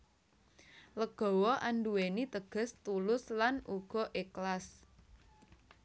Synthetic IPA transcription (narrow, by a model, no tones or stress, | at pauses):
ləɡ̥ɔ̤wɔʔanduwenit̪əɡ̥ə̤st̪ulʊslanʔuɡ̥ɔ̤ʔeklas